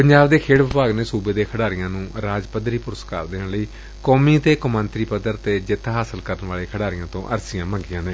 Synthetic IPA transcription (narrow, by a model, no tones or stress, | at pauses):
pəɲd͡ʒaːbd̪eːkʰeːɽʋɪpaːɡneːsuːbeːd̪eːkʰəɽaːɾɪjãːnũːɾaːd͡ʒpəd̪ɾiːpʊɾska̰ːɾd̪eːnləiː | kɔːmiːt̪eːkʊmə̃nt̪ɾiːpəd̪əɾt̪eːd͡ʒɪt̪ʰːɦaːsəlkəɾənʋaːleːkʰəɽaːɾɪjãːt̪õ̰ːʔə̰ɾsɪjãːmə̃ŋɡɪjãːnẽː